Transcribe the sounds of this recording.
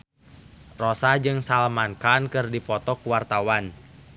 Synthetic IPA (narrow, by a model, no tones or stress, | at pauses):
rɔsad͡ʒɨŋsalmankankɨrdipɔt̪ɔkuwart̪awan